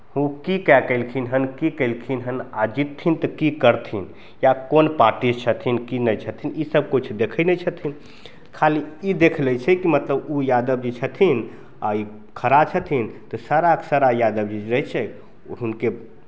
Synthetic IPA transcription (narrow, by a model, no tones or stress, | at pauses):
hũkikɛkəɪlkʰinɦənkikəɪlkʰinɦənad͡ʒit̪ʰːint̪ɔkikəɾt̪ʰin | jakonpaɾʈist͡ʃʰət̪ʰinkinət͡ʃʰət̪ʰinisəb̚kut͡ʃʰd̪ekʰənɛt͡ʃʰət̪ʰin | kʰaliid̪ekʰlɛt͡ʃʰɛkimət̪ləbujad̪əb̚d͡ʒet͡ʃʰət̪ʰin | a̰i | kʰəɾat͡ʃʰət̪ʰint̪ɔsaɾaksaɾajad̪əbd͡ʒed͡ʒɾəɦt͡ʃʰɛ | ɦunke